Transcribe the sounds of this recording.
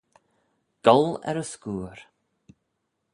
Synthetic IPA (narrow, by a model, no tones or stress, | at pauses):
ɡ̥ɔlɛ̰ɾəskuːɾ